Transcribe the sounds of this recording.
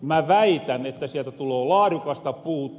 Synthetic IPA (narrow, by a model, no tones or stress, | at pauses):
mæʋæit̪ænet̪ːæsiælt̪æt̪uloːlɑːrukɑst̪ɑpuːt̪ː